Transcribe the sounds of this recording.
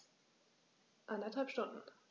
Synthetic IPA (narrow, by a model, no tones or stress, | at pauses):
ʔandɐthalpʃtʊndn̩